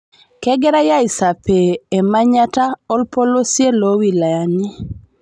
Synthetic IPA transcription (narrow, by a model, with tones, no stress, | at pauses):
kɛ˦ɡɛ˦ɾa˦ja˦i˨sa˨peː˨ma˦ɲa˦ta˦ɔ˦lpo˦lo˦sje˦lo˦wi˨la˨ja˨nɪ˦